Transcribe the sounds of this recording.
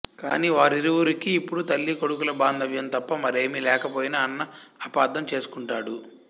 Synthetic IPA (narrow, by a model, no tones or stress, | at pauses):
kaːniːʋaːɾiɾuwuɾikiːpːuɽut̪ɐlːiko̞ɽukulɐbaːnd̪ʱɐʋjɐnt̪ɐpːɐmɐɾe̞ːmilɛːkɐpoːjinaːnːɐːpaːd̪ɐmt͡ʃe̞ːsu̥kuɳʈaːɽu